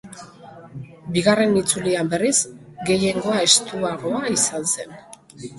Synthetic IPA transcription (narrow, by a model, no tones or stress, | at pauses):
biɣare̞nit͡suliambe̞risɡe̞je̞ŋɡo̞ae̞st̪uaɣo̞aisanse̞n